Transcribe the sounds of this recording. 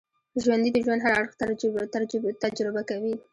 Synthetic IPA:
ʒwand̪id̪əʒwand̪ɦaɾaaɽxt̪at̪ad͡ʒɾɪbakawi

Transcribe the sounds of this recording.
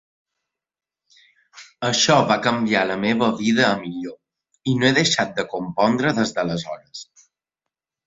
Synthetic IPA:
əʃɔβakəmbialəmeβəβiðəːmiʎo | inoeðəʃat̪̚d̪əkompɔnd̪ɾəðəzðələzɔɾəs

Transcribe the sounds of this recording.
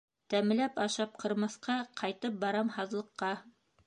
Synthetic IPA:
t̪æm̆læpɑʃɑp̚qʰɤ̆ɾmɑ̆θqɑqʰɑjt̪ɤp̚bɑɾɑmhɑðlˠɤ̆qːɑ

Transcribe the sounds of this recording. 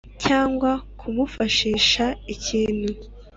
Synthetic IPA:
caːŋɡwakʰumufaʃiːʃaiciːn̤u

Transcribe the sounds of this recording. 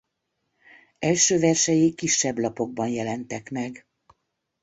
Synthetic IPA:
ɛlʃøːvɛrʃɛjikiʃːɛblɒpo̞ɡ̚bɒnjɛlɛnt̪ɛkmɛɡ

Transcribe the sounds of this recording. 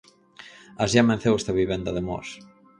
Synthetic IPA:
azjamẽnθewest̪aβiβɛnd̪ɐðemɔ̰s

